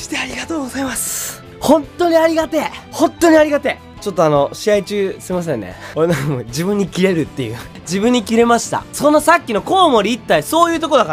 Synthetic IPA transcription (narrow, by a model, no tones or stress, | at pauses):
ɕi̥t̪eaɾʲiɡat̪o̞ːɡozaimasɨ̥ | hõ̞nt̪o̞ɲ̟iaɾʲiɡat̪e̞hõ̞nt̪ːo̞ɲ̟iaɾʲiɡat̪e̞ | t͡ɕo̞t̪ːo̞ano̞ɕiait͡ɕɨːseimas̬ẽ̞nːḛoɾenãkmod͡ʑibɯ̟̃ɲ̟ːikʲiɾe̞ɾɯ̟t̪ːe̞̰jɯ̟̰ | d͡ʑibɯ̟̃ɲ̟ːikʲiɾe̞maɕi̥t̪a̰sõ̞nːasakʲːino̞ko̞ːmo̞ɾʲiːt̪ːaiso̞ːjɯ̟ːt̪okod̪aka